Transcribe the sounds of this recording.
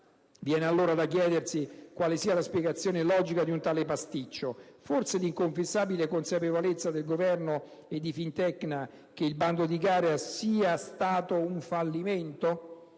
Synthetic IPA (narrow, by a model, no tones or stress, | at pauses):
vjɛːnealːoːɾad̪akjɛːd̪ersikwaːlesiːalaspjɛɡat̪sːjoːnelɔːd͡ʒikad̪iunt̪aːlepast̪it͡ʃːoforseliŋkoɱfesːaːbilekonsapevolet̪sːad̪elɡovɛrno | ed̪ːifint̪ɛkna | k̟eilband̪od̪iɡaːɾeasiːast̪aːt̪ouɱfalːiment̪o